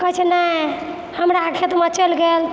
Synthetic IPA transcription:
kəɦt͡ʃʰɛnəj | həmɾaːʈʰet̪mət͡ʃəlɡel

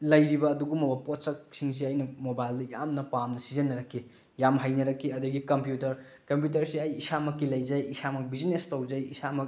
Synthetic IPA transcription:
lɐjɾibɐːduɡumɐbɐpotsɐk̚siŋs̬iɐjnɐmobajldɐjamnɐpamnɐsizɐnːɐɾɐkʰːi | jamɦajnɐɾɐkʰːiɐduɡikɐmpjutɐɾ | kɐmp̬jut̬ɐɾsiɐjisamɐkːilɐjd͡ʒɐjisamɐk̚biznestowzɐjisamɐk

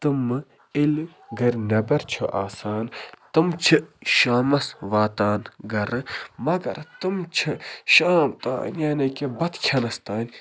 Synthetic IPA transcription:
t̪ɨmɨ | il | ɡɐɾʲnɐbɐɾt͡ʃʰoʔaːsaːnt̪ɨmt͡ʃʰiʃaːmɐsʋaːt̪aːnɡɐɾɨmɐɡɐ̰ɾt̪ɨmt͡ʃʰiʃaːmt̪a̰ːnjaːnɐkebɐt̪kʲʰjɐnɐst̪aːnʲ

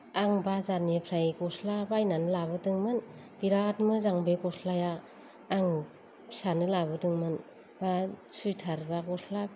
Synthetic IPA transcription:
aŋbazanepʰɾajkɔsʰlabajnanɯlabɯdɯŋmɯn | b̥iɾat̚mɯzaŋbekɔsʰlajaː | ŋ | sanɯlabɯdɯŋmɯn | b̥asujtʰaɾbakɔsʰla

